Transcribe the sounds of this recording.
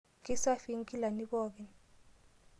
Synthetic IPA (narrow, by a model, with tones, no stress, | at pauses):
kʼi˦sa˦fi˦ŋ̩˦kʼi˦la˨ni˦ɓɔː˦ɓɛ˨n